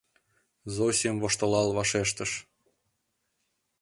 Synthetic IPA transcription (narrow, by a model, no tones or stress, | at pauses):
zosʲijəmvoʃt̪ə̆lɑlβɑʃeʃt̪ə̆ʃ